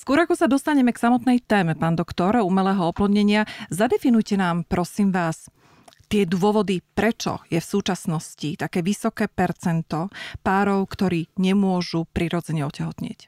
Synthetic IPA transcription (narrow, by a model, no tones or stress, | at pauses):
skʊɔɾakɔsad̪ɔst̪aɲɛmɛksamɔt̪nɛjt̪ɛːmɛpaːnd̪ɔkt̪ɔɾumɛlɛːɦɔɔplɔd̪ɲɛɲɪazad̪ɛfinujcɛnaːmpɾʔɔsiːmʋaːs | t̪ɪɛd̪wʊɔʋɔd̪ipɾɛt͡ʃɔ̰jɛfsuːt͡ʃasnɔscit̪akɛːʋisɔkɛːpɛɾt͡sɛnt̪ɔpaːɾɔʊkt̪ɔɾiːɲɛmʊɔʒupɾiːɾɔd͡zɛɲɛɔcɛɦɔt̪ɲɪɛ̰c